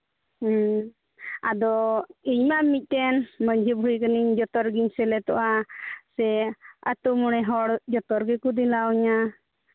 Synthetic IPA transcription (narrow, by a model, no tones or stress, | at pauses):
ad̪ɔiɲmaʔmic̚ˀt̪ɛnməɲd͡ʒʱibʱuɾikəniɲd͡ʒɔt̪ɔɾɡiɲsɛlɛt̪ɔ̰ʔasɛət̪umuɽ̃ɛɦɔɽd͡ʒɔt̪ɔɾɡɛkud̪ilawɲa